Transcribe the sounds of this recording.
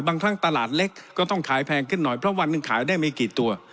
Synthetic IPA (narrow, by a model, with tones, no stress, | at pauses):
baː˧ŋkʰɾa˦˥ŋt̪a˧laː˨˩t̪̚le˦˥kːɔː˥˩t̪ɔ˥˩ŋkʰaː˩˦jpʰɛː˧ŋkʰɯ˥˩nːɔ˨˩jpʰɾɔ˦˥wa˧nːɯ˨˧ŋkʰa̰ː˩˦jdaː˥˩jma˧kiː˨˩t̪ːu˧ɐ